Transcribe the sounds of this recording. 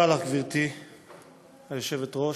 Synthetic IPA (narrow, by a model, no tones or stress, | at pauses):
alakviʁt̪i | hajoʃevet̪ʁo